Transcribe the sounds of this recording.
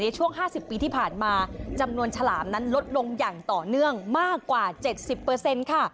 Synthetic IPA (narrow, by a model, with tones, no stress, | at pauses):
na˧jt͡ɕʰu˥˩əŋɦaː˥˩si˨˩pːiː˧t̪ʰiː˥˩pʰaː˨˩nmaː˧t͡ɕa˧mnu˧ənt͡ɕʰa˧laː˩˦mna˦˥nlo˦˥t̪̚lo˧ŋjaː˨˩ŋt̪ɔː˨˩nɯ˥˩əŋmaː˥˩kːwaː˨˩t͡ɕe˨˩t̪̚si˨˩pːɤː˧se˧nkʰa˥˩